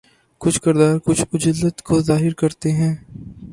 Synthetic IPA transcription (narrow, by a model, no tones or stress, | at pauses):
kʊt͡ʃʰkɪɾd̪aːɾkʊt͡ʃʰʊd͡ʒəlːət̪kozaːɦɪɾkɐɾt̪eɦɛ̃ː